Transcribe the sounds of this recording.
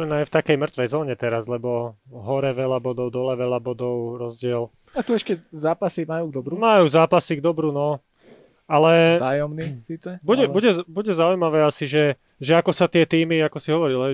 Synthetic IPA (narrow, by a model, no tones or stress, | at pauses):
najft̪akɛjmr̩t̪ʋɛjzɔːɲɛt̪ɛɾazlɛbɔɦɔɾɛʋɛʎabɔd̪ɔʊd̪ɔlɛʋɛʎabɔd̪ɔʊɾɔzɟɪɛl | at̪uɛʃcɛzaːpasimajuːɡ̚d̪ɔbɾumajuːzaːpasiɡd̪ɔbɾunɔ | alɛajɔmnisiːt͡sɛbuɛbuɟɛbuɟɛzaujmaʋɛːasiʒɛ | ʒɛakɔsat̪ɪɛt̪iːmiakɔsiɦɔʋɔɾilɛ